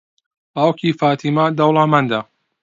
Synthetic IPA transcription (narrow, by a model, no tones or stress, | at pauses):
baːwkiːfaːt̪ʰiːmad̪ɐwlamand̪a